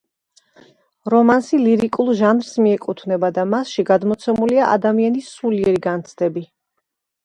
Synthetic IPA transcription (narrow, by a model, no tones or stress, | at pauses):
ɾɔmansiliɾikʼulˠʒanɾsmiɛkʼut̪ʰvnɛbad̪amasʃiɡad̪mɔt̪sʰɛmuliaʔa̰d̪amianisuliɛɾiɡant̪sʰd̪̥ɛbi